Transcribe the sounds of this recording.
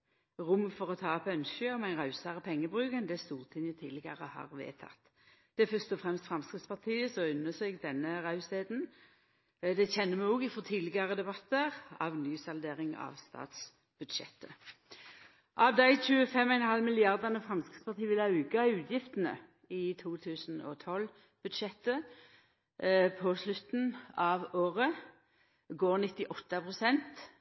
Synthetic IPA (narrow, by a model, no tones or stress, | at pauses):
ʁʊmfɔʁɔt̪ʰɑːpœnɕəɔmæɪnʁɑʉsɑʁəpʰɛŋːəbʁʉːkənd̪ɛst̪uːʁt̪ʰɪnjət̪ʰɪlɪɡəʁəhɑ̰ːʁʋḛːt̪ʰɑ̰t̪ː | d̪̥ɛæfœʁst̪ɔfʁɛmst̪fʁɑmskʁɪt̪spɑʁt̪ʰiːəsɔʉnːəsɛɡd̪ɛnːəʁɑʉseːd̪n̩ | d̪ɛçɛnːəmɛɔɡɪfɔt̪ʰɪlɪɡəʁəd̪ɛbɑt̪ːəʁɑʋnyːsɑld̪eːʁɪŋɑ̰ʋst̪ɑ̰ːt̪s | b̥ʉd̪ʃɛ̰t̪ːə | ʔɑʋd̪æɪçʉːəfɛmːɔɪnhɑlmɪlɪɑʁd̪ənəfʁɑnskɪspʰɑt̪ʰiːəʋɪlɑʉːɡɑʉːt̪ʰjɪft̪ənə̰ | ɪt̪ʰuːt̪ʰʉːsn̩ɔ̰t̪ʰɔl | b̥ʉd̪ʃɛt̪ːə | pʰɔslʉt̪n̩ɑʋoːʁə | ɡoːʁnɪt̪ːɪʔɔt̪ːəpʰʁʊsɛnt̪